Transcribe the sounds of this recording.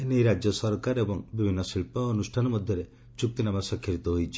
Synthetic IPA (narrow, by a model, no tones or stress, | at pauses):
enejɾad͡ʒjɔsɔɾkaɾebɔŋbibʱinːɔsilpɔːnusʈʰanɔmɔd̪ʱjɔɾe | t͡ʃuk̚t̪inamasɔkʰjɔɾit̪ɔɦojt͡ʃʰi̥